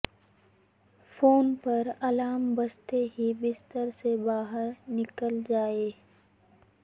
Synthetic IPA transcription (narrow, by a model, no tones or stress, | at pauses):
foːnpɐɾɐlaːmbɐst̪eɦibɪst̪əɾsebaːɦəɾnɪkəld͡ʒaːeː